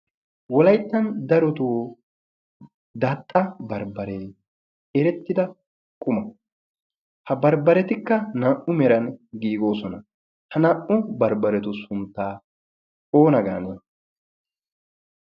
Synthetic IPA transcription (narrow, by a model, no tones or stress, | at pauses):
wɔlɐjt̪ːɐnd̪ɐɾɔt̪u | d̪aːt̪ʼːɐbɐɾbɐɾe | ɛɾɛt̪ːɪd̪ɐ | kʼʊmɐ | hɐbɐɾbɐɾɛt̪ɪkːɐnaːʔʊmɛɾɐnɡiːɡo̞ːsɔnɐ | hɐnɐʔʊbɐɾbɐɾɛt̪ʊsʊnt̪ːaː | oːnɐɡa̰ːneː